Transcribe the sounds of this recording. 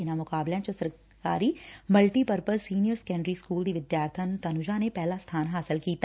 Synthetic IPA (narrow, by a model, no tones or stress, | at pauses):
ɪnamʊkaːblãt͡ʃəsəɾ | ka̰ːɾiməlʈipəɾpəɾsiːnijəɾskɛ̃ːɳɖɾiskuːld̪iʋɪd̪jaːɾt̪ʰənt̪ɐnʊd͡ʒanepɛɦlast̪ʰaːnɦaːsɪlkiːt̪